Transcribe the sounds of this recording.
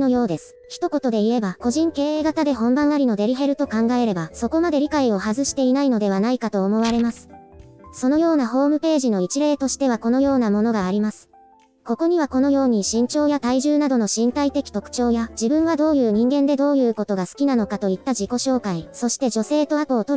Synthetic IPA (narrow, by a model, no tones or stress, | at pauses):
nojo̞ːd̪e̞sɨ̥çi̥t̪o̞ko̞t̪o̞d̪e̞ie̞bako̞ʑĩŋke̞ːeːɡat̪ad̪e̞ɦõ̞mbãɰ̃aɾʲino̞d̪e̞ɾʲiɦe̞ɾɯ̟t̪o̞kãŋɡae̞ɾe̞baso̞ko̞mad̪e̞ɾʲikaio̞hazɨɕi̥t̪e̞inaino̞d̪e̞β̞anaikat̪o̞ːmo̞βaɾe̞masɨ̥so̞no̞jo̞ːnaɦo̞ːmɯ̟pe̞ːʑino̞it͡ɕiɾe̞ːt̪o̞ɕi̥t̪e̞βako̞no̞jo̞ːnamo̞no̞ɡaːɾʲimasɨ̥ | ko̞ko̞ɲ̟iβ̞ako̞no̞jo̞ːɲ̟iɕĩɲ̟t͡ɕo̞ːjat̪aiʑɨːnad̪o̞no̞ɕĩnt̪ait̪e̞kʲi̥t̪o̞kɯ̟̥t͡ɕo̞ːjad͡ʑibɯ̟̃ɰ̃βad̪o̞ːjɯ̟ːɲ̟ĩŋɡẽ̞nd̪e̞d̪o̞ːjɯ̟ːko̞t̪o̞ɡasɨ̥kʲinano̞kat̪o̞it̪ːad͡ʑiko̞ɕo̞ːkaiso̞ɕi̥t̪e̞d͡ʑo̞se̞ːt̪o̞atoːt̪oɾ